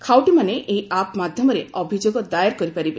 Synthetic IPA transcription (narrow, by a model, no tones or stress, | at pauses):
kʰawʈimaneʔejapmad̪ʱjɔmɔɾeɔbʱid͡ʒoɡɔd̪ajaɾkɔɾipaɾibe